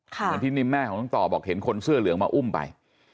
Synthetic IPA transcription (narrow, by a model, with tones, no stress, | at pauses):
kʰa˥˧npʰi˦˥ni˧mːɛː˥˩kʰɔ˩˦t̪a˧˥ŋt̪ɔː˨˩bɔː˨˩k̚he˩˦nkʰo˧nsɯ˥˩ɐlɯ˨˩˦əŋmaː˧ʔu˥˩mpa̰˧j